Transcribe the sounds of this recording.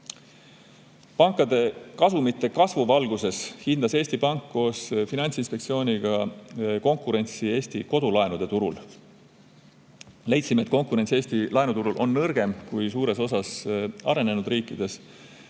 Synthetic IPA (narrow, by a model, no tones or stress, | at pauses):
pɑŋkːˑɑd̪̥e̞kɑsumit̪ːˑe̞kɑsvuvɑlɡ̥use̞shind̪ɑse̞ːsʲt̪ipɑŋkːo̞ːsfinɑnʲsinspekt̪sio̞ːnʲiɡ̥ɑko̞ŋkˑuɾe̞nʲt̪sie̞ːst̪iko̞d̪̥ulɑenud̪e̞t̪uɾṵl | le̞jt̪simet̪ko̞ŋkuɾe̞nt̪sie̞ːst̪ilɑenut̪uɾulʔo̞nːɤrɡ̥e̞mkujsuːɾe̞so̞sɑsɑ̰ɾe̞ne̞nud̪ɾiːkːˑid̪̥e̞s